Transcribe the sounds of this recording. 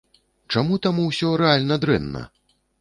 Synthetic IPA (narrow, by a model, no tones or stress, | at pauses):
t͡ʂamut̪amuwsʲɔɾɛalʲnɐd̪ɾɛ̰nːɐ̰